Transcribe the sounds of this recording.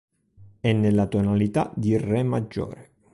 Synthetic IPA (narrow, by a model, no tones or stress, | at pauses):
ɛnːelːat̪onalit̪a̰d̪irɛmːad͡ʒːo̰ːɾe